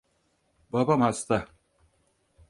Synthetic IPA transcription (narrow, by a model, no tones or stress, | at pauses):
babamast̪a